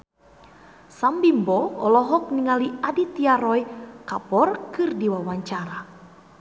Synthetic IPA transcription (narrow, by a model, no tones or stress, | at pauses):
sambimbɔɔ̰lɔɦɔk̚niŋaliadit̪iaɾɔjkapɔrkɨrdiwawaɲt͡ʃaɾa